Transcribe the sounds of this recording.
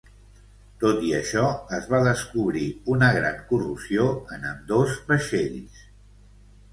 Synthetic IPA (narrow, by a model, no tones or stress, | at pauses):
t̪ot̪iəʃɔəzβaðəskuβɾiunəɣɾa̰ŋkurusioənəmd̪ozβəʃeʎs